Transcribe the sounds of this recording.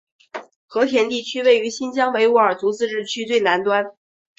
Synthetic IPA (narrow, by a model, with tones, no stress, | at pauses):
xɤ˧˥t̪ʰjɛ˧˥nt̪i˥˩t͡ɕʰy˥we˥˩ɪy˧˥ɕi˥nt͡ɕjɑ˥ŋwe˧˥ɪu˧˥ə˞˨˩t͡s̪u˧˥t͡sɹ̩˥˧ʈ͡ʂɻ̩˥˩t͡ɕʰy˥t̪we˥˩ɪna˧˥nt̪wa˥n